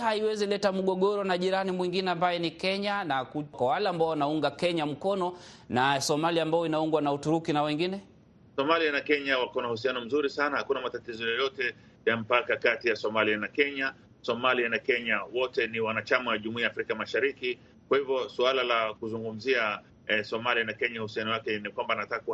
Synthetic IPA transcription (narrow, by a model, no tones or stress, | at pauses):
haiwɛzilɛtamuɠɔɠɔɾɔnaʄiɾanimwiŋɡinɛambajɔnikɛɲanakukwawalɛːmbaɔwanauŋɡakɛɲam̩kɔnɔnasɔmaliaːmbajɔinauŋɡwanautuɾukinawɛŋɡinɛ | sɔmalianakɛɲawakɔnahus̬ianɔm̩zuɾisanahakunamatatizɔjɔjɔtɛ | jam̩pakakatijasɔmalianakɛɲa | sɔmalianakɛɲawɔtɛniwanat͡ʃamawaʄumuiafɾikamaʃaɾiki | kwahivjɔsualalakuzuŋɡum̩zia | ɛsɔmalianakɛɲahusianɔwakɛnikwambanatakak